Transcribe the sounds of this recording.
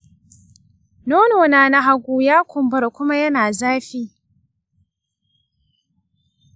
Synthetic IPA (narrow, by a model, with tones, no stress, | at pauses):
noː˦noː˨naː˨na˦ɦa˦ɡʷuː˦jaː˦kʷʊ˨mbɐ˦rkʷʊ˦ma˦jɐ˦naː˨zaː˦ɸiː˦